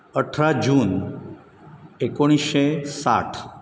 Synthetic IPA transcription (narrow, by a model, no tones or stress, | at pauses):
əʈʰɾad͡ʒun | ekoɽ̃iʃesa̰ʈʰ